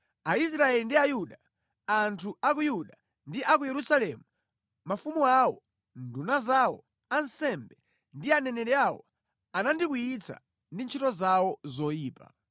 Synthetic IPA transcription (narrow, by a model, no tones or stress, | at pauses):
ais̬ɾaɛlindiajuɗa | antʰuak̬ujuɗa | ndiʔakujɛɾusalɛmu | mafumuawɔ | ndunazawɔ̰ | ansɛmbɛ | ndianɛnɛɾɛawɔ̰ | anandik̬ujit͡sʰa̰ | ndint͡ʃʰitɔzawɔzɔjiːpa̰